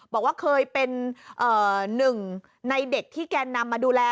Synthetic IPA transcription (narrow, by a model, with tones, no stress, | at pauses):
bɔː˨˩k̚waː˥˩kʰɤː˧jpe˧nʔɤː˨˩nɯ˨˩ŋ | na˧jde˨˩k̚t̪ʰiː˥˩kɛː˧nːa˧mːaː˧duː˧lɛː˧